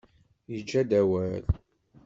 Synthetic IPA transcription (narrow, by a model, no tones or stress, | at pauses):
jəd͡ʒːæd̪æwæl